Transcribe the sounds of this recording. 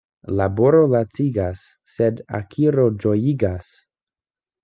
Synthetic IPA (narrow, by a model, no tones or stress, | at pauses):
laboɾolat͡siɡasː | eda̰kʰiɾod͡ʒojiɡas